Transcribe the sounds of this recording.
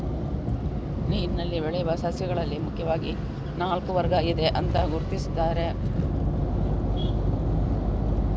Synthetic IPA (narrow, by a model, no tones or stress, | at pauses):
niːnːɐlːibeɭɛjuʋɐsɐsjɐɡɐɭɐlːimukʰːjɐʋaːɡi | naːlkuʋɐɾɡɐid̪e̞ʔɐnt̪ɐɡuɾt̪isi̥d̪ːaːɾe̞